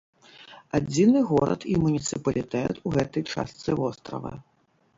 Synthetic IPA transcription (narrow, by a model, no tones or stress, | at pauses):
ad͡zʲinɨɣɔɾɐ̰t̪imunʲit̪sɨpɐlʲit̪ɛt̪ʰuɣɛt̪ɐjt͡ʂa̰st̪sɨvɔst̪ɾɐ̰vɐ̰